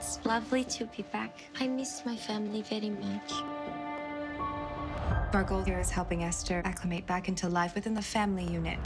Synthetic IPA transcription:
slʌvliɾɨbibæk | aɪmɪsmaɪfæ̃ml̩ˠivɛɹimʌt͡ʃ | b̥ɜ˞ɡoʊɪɹɨz̥hɛlˠpɪ̃ŋɛstʰə˞ʔækʰləmeɪt̚b̥ækɪ̃ntʰulaɪfwɨθɪ̃nðɨfæ̃mlijʉnɨ̰t̚

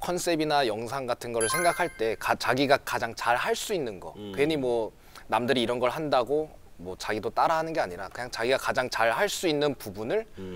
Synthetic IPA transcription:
kʰʌns͈e̞binajʌŋs̬ʰaŋɡatʰɯnɡʌɾɯɭsʰe̞ŋɡakʰaɭt͈e̞kat͡ɕaɡiɡakad͡ʑaŋt͡ɕaɭhaɭs͈uinːɯnɡʌ̰kweɲimwʌ | namdɯɾiːɾʌnɡʌɭhandaɡo | mwʌt͡ɕaɡidot͈aɾaɦanɯnɡe̞aɲiɾakɯɲaŋt͡ɕaɡiɡakad͡ʑaŋt͡ɕaɭhaɭs͈uinːɯnpubunɯɭ

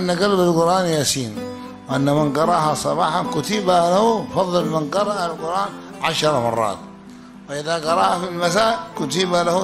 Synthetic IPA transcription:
ʔanːaɡalbalɡʊɾʔaːnjaːsiːn | wʔanːamɪnɡɑɾˤɑːhasˤɑbɑːħɑnkʊt̪ibalahufɑðˤːɨlmɪnɡɑɾˤɑʔalɡʊɾʔaːn | ʕaʃɑɾˤɑmɑ̰rˤːɑ̰ːt̪̚ | faʔɪðaɡɑɾˤɑːhafilmas̬aːʔkʊt̪ibalahu

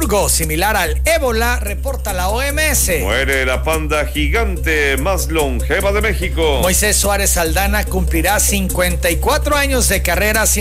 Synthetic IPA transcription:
ɾɣo̞similaɾaleβo̞lare̞po̞ɾt̪alaoemeesemweɾelapand̪axiɣant̪emasloŋxeβaðemexikomo̞jse̞sːwaɾe̞sːald̪anakumpliɾasiŋkwe̞nt̪ajkwat̪ɾo̞aɲo̞zðe̞kare̞ɾas

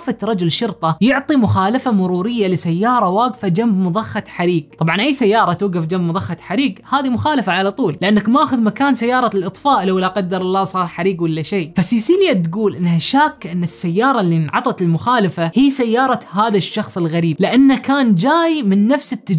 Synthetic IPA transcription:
fat̪ɾˤɑd͡ʒʊlʃʊɾt̪ˤɑjɪʕt̪ˤimʊxaːlafamʊɾuːɾɪjːalɪsajːɑːɾˤɑwaːɡfad͡ʒambmʊðˤɑxːat̪ħaɾiːɡtˤɑbʕɑnʔajsajːɑːɾˤɑt̪uːɡafd͡ʒambmʊðˤɑxːɑt̪ħaɾiːɡhaːðimʊxaːlafaʕalat̪ˤuːlɪʔanːakmaʔaːxʊðmakaːnsajːɑːɾˤɑlʔɨt̪ˤfaːʔlawlːaqɑd̪ːɑɾˤlasˤɑːɾˤħaɾiːɡwɪlːaʃeːfasiːsiːljat̪ɡuːlʔɪnːhaʃaːkːʔɪnːɪsːajːɑːɾˤɑlːinʕɑ̰t̪ˤɑt̪ɪlmʊxaːlafahiːsajːɑːɾˤɑhaːðaʃːɑxsˤɪlɣaɾiːb̚lɪʔanːakaːnd͡ʒaːjmɪnːafsɪt̪ːad͡ʒ

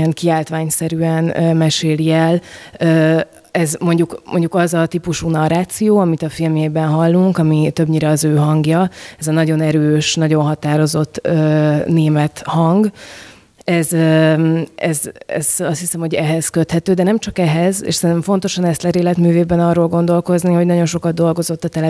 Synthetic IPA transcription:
ɛnkiaːlt̪ʋaːɲsɛɾyɛnømɛʃeːliɛløː | ɛzmo̞ɲɟukmo̞ɲɟukɒzɒt̪ipuʃuːnɒɾaːt̪sijoːɒmit̪ɒfilmjeːbɛnɦɒlːuŋkɒmit̪øbɲiɾɛɒzøːɦɒŋɡjɒɛzɒnɒɟo̞nɛɾøːʃnɒɟo̞nɦɒt̪aːɾo̞zo̞t̪ːøːneːmɛt̪hɒŋɡ | ɛzø | ɛzɛ̰zɒst̪hisɛmho̞ɟɛɦɛz̥køt̪hɛt̪øːd̪ɛnɛmt͡ʃɒkɛɦɛzḛːʃsɛnɛmɱfo̞n̪t̪o̞ʃɒnɛst̪lɛɾeːlɛt̪myːveːbɛnɒrːoːlɡo̞nd̪o̞lko̞zniho̞ɟnɒɟo̞nʃo̞kɒd̪̚d̪o̞lɡo̞zo̞t̪ːɒt̪ɛlɛ

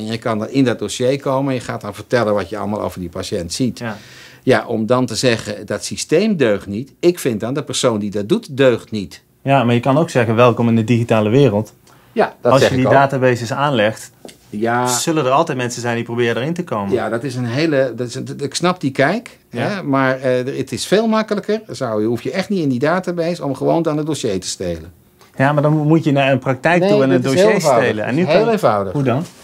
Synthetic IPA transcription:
ɛnjəkɑndɑnɪndɔt̚dosejkowməɛnjəχa̰ːt̚dɔnvərtɛlənʋɑtjəɑ̰lˠma̰ːlˠo̰wvərdipaʃɛntsit | jaʔɔmdɑntəzɛɣədɔtsistejmdøɥχtnitɪkfɪnt̚dɔndəpərsowndidɔt̚dutdøɥχtnit | jamaːjəkɑnowksɛɣənʋɛlˠkɔmɪndədiɣitaːləʋɪːrəlˠt | jad̥ɔɑlˠsədidaːtabaːzəsaːnlɛxt | jasɵlədəɹɑlˠtɛjt̚mɛnsənzɛjndiprowbɪːrədəːɹɪntəkowməjadɑtɪsənɦejləɪksnɑp̚dikɛjk | ɦɛmaːɹəətɪsfeːlˠmɑkələkəɹsawɦufjəʔɛχtnitɪndidaːtabejsɔmχəʋowndanədoʃejtə̥stejlən | jamaːɹdɑnmutjənaːənprɑk̚tɛjknuanədoʃejtːejlənɛ̰nːyɦelenvawdə̰ɦudɑn

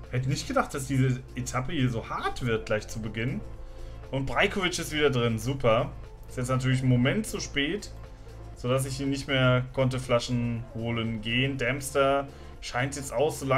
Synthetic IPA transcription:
hɛtənɪçtɡ̥ədaχt̚d̥asd̥iːzəʔetʰapəhiːɐzoːhaɐtv̥ɪɐt̚ɡ̥laɪçt͡subəɡɪnn | ʔʊnt̚b̥ʁaɪkʰovɪt͡ʃɪstv̥iːdɐdʁɪnzuːpʰɐ | ɪstjɛt͡stnatʰyːɐlɪç̬nmomɛntz̥uʃpɛːt | z̥odas̬ɪçdiːnɪçtmeːɐkʰɔnt̬əflaʃn̩hoːlənɡeːəndɛmstɐ | ʃaɪntjɛt͡staʊxz̥oːla

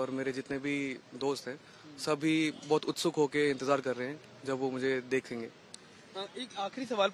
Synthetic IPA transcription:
ɔːɾmeːɾed͡ʒɪt̪nebʱid̪oːst̪ɦɛ̃ː | sɐbʱɦibɔːt̪ʊt̪sʊkɦokeɪ̃nt̪ɪzaːɾkɐɾːəɦɛ̃ | d͡ʒɐbʋomʊd͡ʒʱed̪eːkʰẽːŋɡeː | eːkaːxɾisɐʋaːl

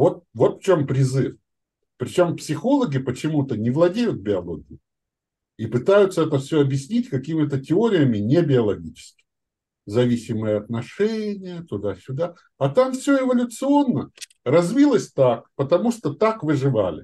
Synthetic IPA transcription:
vo̞t̪̚vo̞t̪ft͡ɕompɾʲɪzɨf | pɾʲɪt͡ɕo̞mpsʲɪxo̞lˠəɡʲɪpət͡ɕɪmut̪ənʲɪvlˠɐdʲejʊt̪̚bʲɪɐlˠo̞̰ɡʲɪjʊ | ipɨt̪ajʊt̪səɛt̪əfsʲoɐbjɪsʲnʲitʲkɐkʲimʲɪt̪ətʲɪo̞ɾʲɪjəmʲɪnʲebʲɪɐlˠɐɡʲit͡ɕɪ̥skʲɪ̥ | zɐvʲisʲɪməjəɐt̪̚nɐʂɛnʲɪjət̪ʊd̪asʲʊd̪a | ɐt̪amfsʲɵɪvɐlʲʊt̪sɨo̞nːə | rɐzʲvʲilˠəsʲt̪ak̚pət̪ɐmuʂt̪ot̪akvɨʐɨva̰lʲɪ̰

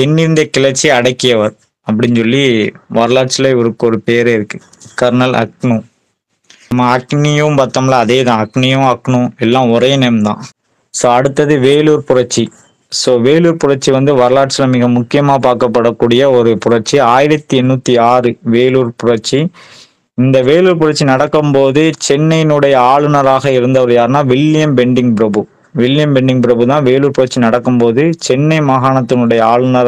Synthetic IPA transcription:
ɛnːɪɾɯnd̪ɐkɪlɐt͡ʃːiɐɽɐkːɪjɐʋɐɾ | ɐpːɐɽɪnsɔlːiʋɐɾɐlaːʈsɪlɐɪʋɔɾɯkːɯɔɾɯpeːɾeɪɾɯkːɯ | kɐɾnɐlɐ̰knũ | ɐmaɐknɪjũmbɐt̪ːɐmlɐːðeːðãːɐknɪjʊ̃ɐkːɳũɛlːãːʊɾɐːnɛmd̪ã̰ː | soːɐɽɯt̪ːɐðɯʋeːluːɾpʊɾɐʈ̚t͡ʃːi | soːʋeːluːɾpʊɾɐʈ̚t͡ʃːiʋɐnd̪ɯʋɐɾɐlaːʈsɪlɐmɪɣɐmʊkːɪjɐmaːpaːɾkɐpːɐɽɐkːuːɽɪjɐɔɾɯpʊrɐɾt͡ʃiaːjɪɾɐt̪ːiɛnːuːt̪ːiaːrɯʋeːluːɾpʊɾɐɾt͡ʃi | ɪnd̪ɐʋeːluːɾpʊrɐʈ̚t͡ʃːinɐɽɐkːɯmpoːðɯt͡ʃɛnːɐɪnɯɽɐjɐaːɭɯnɐɾaːɣɐɪɾɯnd̪ɐʋɐɾɯjaːɾɯnaːʋɪlːɪjɐmbɛɳɖɪŋpɪɾɐbɯ | ʋɪlɪjɐmbɛɳɖɪŋpɪɾɐbɯt̪ãːʋeːluːɾpʊɾɐɾt͡ʃːinɐɽɐkːɯmpoːðɯt͡ʃɛnːɐɪmɐɣaːɳɐt̪ːɯnɯɽɐjɐaːɭɯnɐɾ

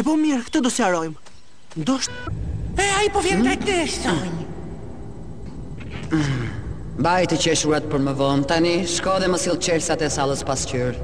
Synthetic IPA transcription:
ɛpɔmiɾkt̪ɔd̪ɔsiaɾɔjm | d̪ɔʃt̪ɛaipɔvjɛɾt̪ɛkt̪ɛʃt̪ɔɲ | bajt̪əcɛʃuɾat̪̚pəɾməvɔnt̪aniʃkɔðɛməsilˠt͡ʃɛɾsat̪ɛsalˠəspascyɾ

